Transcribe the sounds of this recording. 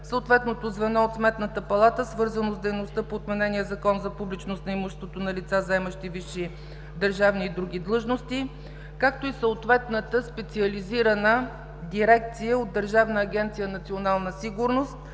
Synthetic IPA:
səot̪vɛt̪not̪ozvɛnɔot̪smɛt̪nət̪əpɐlˠat̪əsvɤɾzənozd̪ɛjnost̪əpoːt̪mɛnɛniəzɐkɔnzɐpublit͡ʃnost̪nɐimuʃɛst̪vot̪onɐlʲit̪sazɛməʃt̪iviʃi | d̪əɾʒavniːd̪ɾuɡʲid̪lˠɤʒnost̪i | kak̚t̪oisəot̪vɛt̪nət̪əspɛt̪siəliziɾənə | d̪iɾɛk̚t̪sijəod̪d̪ːəɾʒavnəːɡʲɛnt̪sijənɐt̪sionalˠnəsiɡʊɾnost̪̚

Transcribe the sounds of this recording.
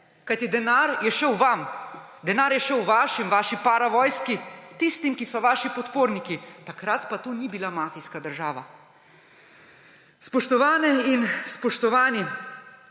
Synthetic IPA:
kajt̪id̪ɛnaɾjɛʃɛwʋam | d̪ɛnaːɾjɛʃɛwʋaːʃimʋaːʃipaːɾaʋɔːjskit̪ist̪imkisɔʋaːʃipɔt̪poːɾnikit̪akɾat̪pat̪unibilamaːfijskad̪əɾʒaːʋa̰ | spɔʃt̪ɔʋaːnɛinspɔʃt̪ɔʋaːni

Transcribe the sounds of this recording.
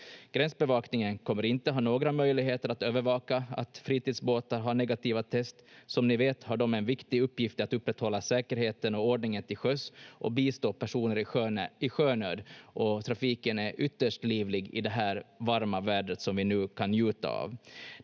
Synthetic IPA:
ɡ̥ɾɛnsbɛvɑːknɪŋənkʰɔmːəɾɪnt̪əɦɑːnoːɡɾamœjlɪɡɦeːt̪əɾat̪øːvəɾvɑːkaa̰t̪fɾiːt̪iːd̪sboːt̪aɾɦaɳɛɡat̪iːvat̪ʰɛst̪sɔmnɪveːt̪haɖɔmɛnvɪkt̪ɪɵpːjɪft̪at̪ɵpːɾɛt̪ːhɔlːasɛːkəɾheːt̪ənɔɔɖɳɪŋənt̪ʰɪlɧœsʔɔ̰biːst̪oːpʰæʂuːnəɾɪøɪɧøːnøːd̪ʔɔt̪ʰɾafiːkənæɾʔʏt̪ːəʂʈliːvlɪɡɪ̰d̪ɛɦæːɾvaɾmavæːɖət̪sɔmvɪnʉ̟ːkʰanjʉ̟ːt̪a̰a̰v

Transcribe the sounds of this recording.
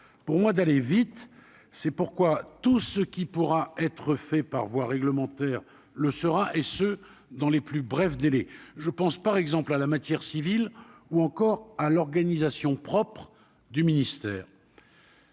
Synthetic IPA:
puʁmwad̪alevit̪ | sɛpuʁkwat̪usəkʲipuʁaɛt̪χəfɛpaʁvwaʁɛɡləmɑ̃t̪ɛːʁ | ləsəʁaʔesø | d̪ɑ̃leplybʁɛfd̪elɛʒəpɑ̃spaʁɛɡzɑ̃plalamat̪jɛʁsiviluɑ̃kɔʁalɔʁɡanizasjɔ̃pχɔpχ | d̪yminist̪ɛːʁ

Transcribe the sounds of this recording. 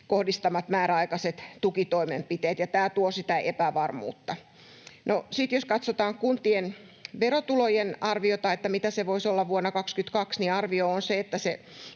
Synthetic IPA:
kohdist̪ɑmɑt̪mæːɾæɑikɑset̪t̪ukit̪oimempit̪eːt̪jɑt̪æːt̪uosit̪æʔepæʋɑrmṵːt̪ːɑ | nosit̪joskɑt̪sot̪ɑːŋkunt̪ien | ʋeɾot̪ulojenɑrʋiot̪ɑet̪ːæmit̪æseʋoisolːɑʋʋuonːɑkɑkskyt̪kɑksniɑrʋioonseet̪ːæse

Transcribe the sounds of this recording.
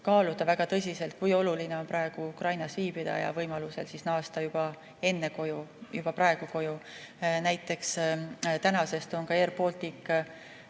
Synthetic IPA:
kɑːlut̪ɑvæɡ̥ɑt̪ɤ̞s̬ʲise̞lt̪̚kujo̞luline̞o̞npɾɑe̞ɡ̥uukrɑjnɑsviːbid̪̥ɑ̰jɑ̰vɤjmɑluse̞̰lsisnɑːst̪ɑjub̥ɑ | e̞nːe̞ko̞jujub̥ɑprɑe̞ɡ̥uko̞junæjt̪ːˑe̞kst̪ænɑse̞st̪o̞nkɑerpo̞ːlt̪ikː

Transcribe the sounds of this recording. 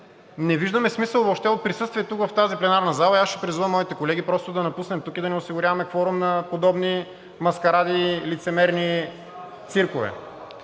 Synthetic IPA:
nɛviʒd̪əmɛsmisəlˠvoʃt̪ɛot̪̚pɾisɤst̪viɛt̪ukvɐft̪aziplɛnaɾnɐzalˠɐiasʃɛ̥pɾizuvəmːɔit̪ɛkolɛɡipɾɔst̪ʊd̪ɐnɐpusnɛmt̪ukid̪ɐnɛosiɡʊɾʲavɐmɛkfɔɾʊmnɐpod̪ɔbni | mɐskɐɾad̪ilit̪sɛmɛɾni | t̪siɾkovɛ̰

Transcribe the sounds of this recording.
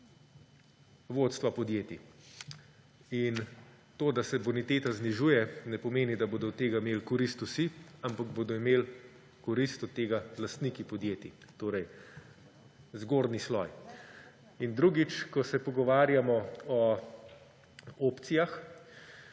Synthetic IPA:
ʋoːt̪st̪ʋapɔd̪jeːt̪i | in | t̪oːd̪asɛbɔnit̪eːt̪azniʒujɛnɛpɔmeːnid̪aboːd̪ɔt̪eːɡameːlkɔɾist̪usiampaɡboːd̪ɔimeːl | kɔɾist̪ɔt̪t̪ːeːɡalast̪nikipɔd̪jeːt̪it̪oːɾɛj | zɡoːɾnislɔ̰j | ind̪ɾuɡit͡ʃkɔsɛpɔɡɔʋaːɾjamɔɔ | oːpt̪sijax

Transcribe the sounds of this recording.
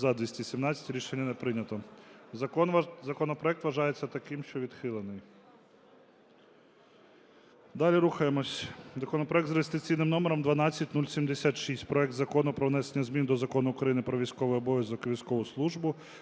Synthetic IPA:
zɐd̪ʋʲisʲtʲisʲimnɑt͡sʲɐ̥tʲɾʲiʃenʲːɐnɛpɾɪnʲɐt̪ɔ | zɐkɔnɔpɾɔɛk̚t̪ʋɐʒɑjet͡sʲːɐt̪ɐkɪmʃt͡ʃɔʋʲid̪xɪlˠenɪj | d̪ɑlʲiɾuxɐjemɔsʲzɐkɔnɔpɾɔɛk̚t̪ɾeɪst̪ɪt͡sʲijnɪmnɔmeɾɔmd̪ʋɐnɑt͡sʲːɐtʲnulʲsʲimd̪esʲat̪ʃisʲtʲpɾɔɛkd̪zɐkɔnʊpɾɔʋnɛsenʲːɐzmʲind̪ɔzɐkɔnʊːkɾɐjinɪpɾɔʋʲijsʲkɔʋɔjɔbɔʋʲjʲɐzɔkʋʲijsʲkɔʋʊslˠuʒbʊ

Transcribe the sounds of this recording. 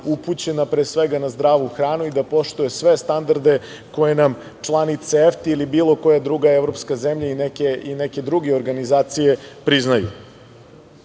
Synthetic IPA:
uput͡ɕe̞napɾeːsʋeɡanazd̪ɾaːʋuxɾaːnuid̪apo̞ʃt̪uje̞sʋe̞st̪and̪aɾd̪e̞ | ko̞je̞nam | t͡ʃlˠanit̪seeft̪iilibiːlˠo̞ko̞jad̪ɾuɡaeʋɾo̞pskaze̞mʎainekeineke̞d̪ɾuɡeo̞ɾɡanizaːt̪sije̞pɾiznajṵ

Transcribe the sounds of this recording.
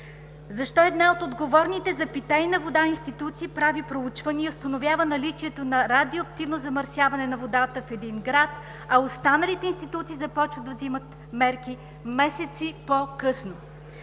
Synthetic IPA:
zɐʃt̪ɔɛd̪naot̪od̪ɡovɔɾnit̪ɛzɐpit̪ɛinɐvod̪ainst̪it̪ut̪siːpɾavipɾout͡ʃvəniɛʊst̪ɐnovʲjavənɐlit͡ʃiɛt̪onɐɾad̪ioɐk̚t̪ivnozɐməɾsʲjavɐnɛnɐvod̪at̪əfɛd̪inɡɾat̪ | ɐost̪anəlit̪ɛinst̪it̪ut̪siːzɐpɔt͡ʃvəd̪ɐvzimət̪ | mɛɾki | mɛsɛt̪sipokɤsno

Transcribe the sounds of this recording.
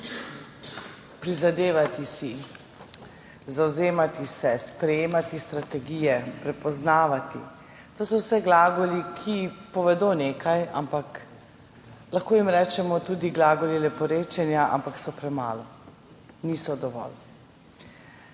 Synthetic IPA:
pɾizad̪eːʋat̪isi | zawzeːmat̪isɛspɾɛjeːmat̪ist̪ɾat̪ɛɡijɛpɾɛpɔznaːʋat̪ḭ | t̪oːsɔwsɛɡlaːɡɔlikʰipɔʋɛd̪oːneːkaja̰mpak | laxkoːjimɾɛːt͡ʃɛmɔt̪uːd̪iɡlaːɡɔlilɛpɔɾeːt͡ʃɛnjaʔa̰mpaksɔpɾɛma̰ːlɔ | niːsɔd̪ɔʋɔ̰l

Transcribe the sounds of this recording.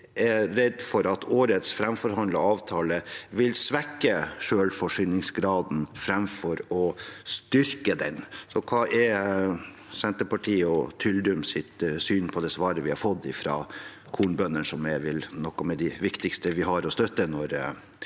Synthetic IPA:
ɛɾɾɛd̪fɔɾɑt̪ʰoːɾət̪sfɾɛmfɔɾhɑnd̪ləɑːʋt̪ʰɑːləʋɪlsʋɛkːəʂøːlfɔʂʏːnɪŋsɡɾɑːd̪n̩fɾɑmfɔɾɔst̪ʏɾkəd̪ɛnsɔkʰɑːʔɛɾ | sɛnt̪əpɑʈʰiːɔt̪ʰʏld̪ʉmsɪt̪syːnpʰɔd̪ɛsʋɑːɾəʋɪhɑɾfɔd̪ːɪfɾɑ̰ː | kʰuːɳbœnəɳsɔmɛʋɪlnɔkːɔmɛd̪ɪʋɪkt̪ɪkst̪əʋɪɦɑɾɔst̪œt̪ːənɔɾ

